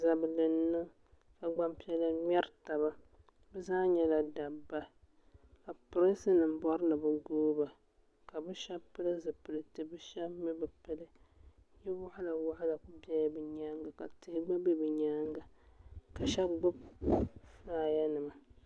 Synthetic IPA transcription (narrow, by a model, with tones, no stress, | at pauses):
za˨bɨ˨lɨ˨nːɨ˦ŋ | ka˨ɡ͡ba˦mpi˦ɛ˦la˦ɲɛ˦ɾta˨ba˦ | bɛ˦zaː˦ɲɛ˦la˨da˨bːa˦ | ka˨pʊ˨ɾɨ˦sɨ˦nɨ˨m̩˦bɔ˦ɾɨ˦nɨ˨bɨ˦ɡoː˦ba˨ | ka˨bɨ˦ʃa˦bpɨ˦lɨ˦zɨ˨pɨ˨lɨ˦˨tɨ˨bɨ˦ʃɛ˦bmi˦bɨ˨pɨ˦lɨ˦ | jɛ˦wʊ˦ʔa˦la˨wa˦ʔa˦la˨kʊ˦bɛ˦jbɨ˨ɲa˦ŋɡa˨ka̰˨tɨ˨hɪ˦ɡ͡ba˦bɛ˦bɨ˨ɲa˦ŋɡa˨ka˨ʃɛ˦ɡ͡bʊ˦b | fɾaː˦ja˦nɨ˨ma˨